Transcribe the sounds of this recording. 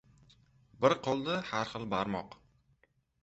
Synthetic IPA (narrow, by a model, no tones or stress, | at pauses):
bɪɾqʰolˠd̪ɪhaɾχɨlˠbaɾmɒ̰q